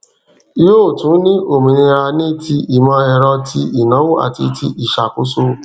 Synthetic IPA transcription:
i˦jo˦˨tũ˨˦nĩ˦ʔo˨mĩ˨ɾĩ˧ɾa˧nĩ˦tʰi˧i˨mã˧˦ɛ˨ɾɔ˧tʰi˦i˨nɔ̃˨˦wo˦a̰˨tḭ˧tʰi˦ʔi˨ʃa˨ko˦so˦

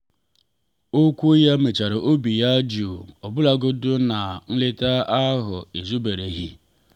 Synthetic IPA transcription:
o˦kʷu˦ja˦me˨t͡ʃa˨ɾo˨ʔo˦bi˨ja˦d͡ʒu˨ɔ˨bʊ˦la˦ɡʊ˦dʊ˦na˨n̩˦le˦ta˦a˦ɦʊ˨e˨zu˦be˨ɾe˨ɦi˦

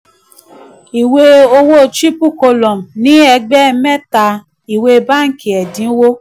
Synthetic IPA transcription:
i˨we˧o˧wo˦˨t͡ʃi˦pu˦˨ko˧lɔ˨m˨nĩ˨˦ɛ˧ɡ͡bɛ˦˧mɛ˦ta˧ | i˨we˧ba˦ŋ̩˦ki˨ɛ˨dĩ˨˦wo˦

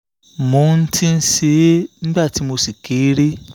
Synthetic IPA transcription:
mo˨˦n̩˦tʰi˦n̩˦se˦n̩˦ɡ͡ba˦˨ti˨˦mo˧si˨ke˨˦ɾe˦

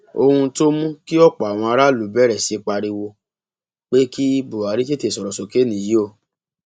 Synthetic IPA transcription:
o˧hũ˧to˦mũ˦ki˦ɔ˦k͡pɔ˨a˨w̃ɔ̃˧a˧ɾa˦lu˨˦bɛ˦ɾɛ˨si˨˧k͡pa˧ɾi˧wo˧ | k͡pe˦ki˦bu˨a˨ɾi˦t͡ʃe˦te˦˨sɔ˨ɾɔ˨so˨ke˦nĩ˨ji˦o˦˧˨

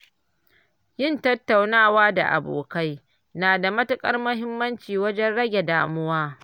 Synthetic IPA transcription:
jɪ˦˨ntɐ˦tːa˨wnaː˦˨waː˦da̰˨ʔa̰˨bo̰ː˨ka˦j | naː˨da˨mɐ˦tʊ˦kʼɐ˦rmɐ˦ɦɪ˦mːɐ˦nt͡ʃiː˨wɐ˦d͡ʒɛ˦nɽɐ˦ɡʲe˨daː˦mʊ˦waː˦

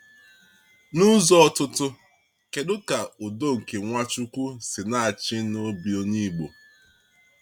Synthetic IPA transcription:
nʊ˦zɔ˦ɔ˦˨tʊ˦tʊ˦ | ke˨dʊ˦ka˨o˨do˦ŋ̩˨ke˨ŋʷa˦t͡ʃu˦kʷu˦sɪ˨na˦a˨t͡ʃɪ˦no˦bi˨o˦ni˦ɡ͡bo˨

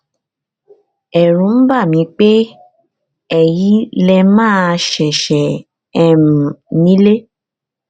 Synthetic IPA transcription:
ɛ˨ɾ̃ũ˨˦m̩˦ba˦˨mĩ˧k͡pe˦ | ɛ˦˨ji˨˦lɛ˧mãː˦˧ʃɛ˨ʃɛ˨ | ɛ˦ɾũ˨nĩ˦le˦

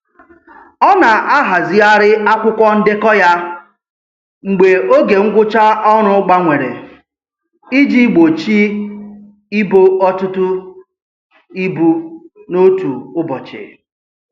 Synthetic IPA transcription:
ɔ˦na˨ʔa˦ɦa˨zɪ˦a˦ɾɪ˦a˦kʷʊ˦kʷɔ˦n̩˦dɪ˦kɔ˦ja˦ | ŋ͡m̩˨ɡ͡be˨o˦ɡe˨ŋ̩˦ɡʷʊ˦t͡ʃa˦ɔ˦ɾ̃ʊ˦ʊ˦ɡ͡ba˦ŋʷe˨ɾḛ˨ | i˦d͡ʒi˦ɡ͡bo˨t͡ʃi˦ | i˦bo˦ʔɔ˦tʊ˦tʊ˦ | i˦bu˦no˦tu˨ʊ˦bɔ˨t͡ʃɪ̰˨

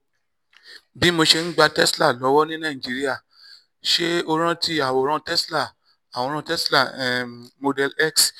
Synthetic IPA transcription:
bi˨˦mo˧ʃe˧n̩˦ɡ͡ba˧tɛ˦sla˦˨lɔ˨˦wɔ˦nĩ˦nã˦˨i˨d͡ʒi˨˦ɾi˦a˦˨ | ʃe˦o˧ɾ̃ã˦ti˦a˨wo˨˦ɾ̃ã˧tɛ˦sla˦˨ | a˨w̃ɔ˧ɾ̃ã˧tɛ˦sla˦˨mo˧dɛ˧lɛ˦˨ks

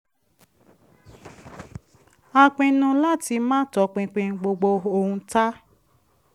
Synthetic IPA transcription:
a˧k͡pĩ˧nũ˧la˦ti˧mãː˦tɔ˨˦k͡pĩ˧k͡pĩ˧n˧ɡ͡bo˧ɡ͡bo˧o˧hũ˧ta˦

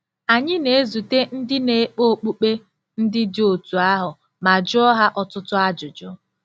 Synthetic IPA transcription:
a˨ɲɪ˦ne˨e˦zu˨te˦n̩˦dɪ˦ne˨e˦k͡po˦˨k͡pu˦k͡pe˦ | n̩˦dɪ˦dɪ˦o˨tu˨a˦ɦʊ˨ | ma˨d͡ʒɔ˦ɦa˦ʔɔ˨tʊ˦tʊ˦a˦d͡ʒʊ˨d͡ʒʊ˦

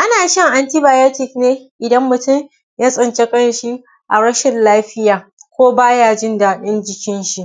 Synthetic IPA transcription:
ʔa˦naː˨ʃɐ˦ŋʔa˨nti˦baː˨ja˦tɪ˨kneː˦ʔɪ˨dɐ˦mːʊ˨tʊ˦˨m | jaː˦sʼɪ˨nt͡ʃe˦kʼɐ˦n˨ʃi˦ | ʔa˨ɽɐ˦ʃɪ˨nlaː˦ɸɪ˦jaː˨ | kʷoː˦baː˦jaː˦˨d͡ʒɪ˦ndaː˨ɗɪ˦nd͡ʒɪ˦kʲɪ˦nʃi˨ʔ

